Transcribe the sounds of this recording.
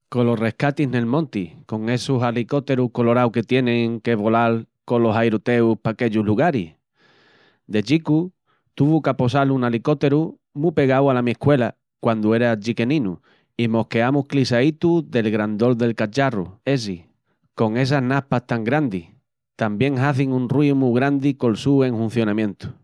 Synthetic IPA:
kolo̞re̞hkat̪iɦne̞lmõnt̪iko̞ŋe̞susaliko̞t̪e̞ɾuhko̞lo̞ɾawke̞t̪je̞nẽŋke̞βo̞lalkolo̞sajɾut̪e̞uhpake̞ʎuɦluɣ̞aɾih | d̪e̞t͡ʃiku | t̪uβukapo̞salunaliko̞t̪e̞ɾu | mũpe̞ɣawalamiehkwe̞la | kwand̪ue̞ɾaʎike̞nĩnu | imo̞hke̞amuhklisait̪uðe̞lɣɾand̪o̞ld̪e̞lkat͡ʃarṵe̞s̬i | ko̞ŋe̞s̬aɦnahpaht̪aŋɡɾand̪ih | t̪ambje̞ŋɦaθiŋũnriumuɣɾand̪iko̞lsue̞ŋhũn̟θjo̞nãmjẽ̞nt̪u̥

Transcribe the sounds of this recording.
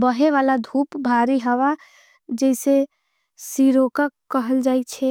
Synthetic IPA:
bəɦeʋalad̪ʱupbʱaɾiɦəʋa | d͡ʒəɪse | siɾokəkːəɦəld͡ʒajt͡ʃʰɛ

